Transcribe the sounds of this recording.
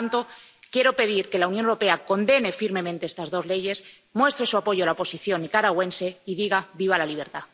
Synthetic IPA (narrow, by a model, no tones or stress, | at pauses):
nt̪o̞kje̞ɾo̞pe̞ð̞iɾke̞launjonewɾo̞pe̞ako̞nd̪e̞ne̞fiɾme̞mẽnt̪e̞est̪azðo̞zle̞ʝe̞s | mwe̞st̪ɾe̞suapo̞ʝoalaopo̞siθjo̞nikaɾaɣwe̞nse̞iðiɣ̞aβiβ̞alaliβ̞e̞ɾt̪a